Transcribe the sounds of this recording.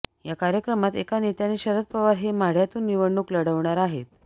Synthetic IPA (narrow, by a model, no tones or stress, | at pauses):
jakaɾjəkɾəmat̪ekanet̪janeɕəɾət̪̚pəʋaɾɦemaɽjat̪uːnːiʋəɳːukləɽəʋɳaɾaɦet̪̚